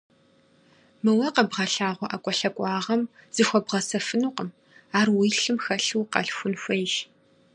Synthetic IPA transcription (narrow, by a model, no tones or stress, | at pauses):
mɨwɐqɐbʁɐɬaːʁʷɔʔɐkʷʼɔɬɐkʷʼɑːʁɐmz̥ɨxʷɔbʁɐsɐfɨnuːqəm | aːrwiːɬɨmxɐɬɨwqɐ̰ɬxʷʊnxʷejʃ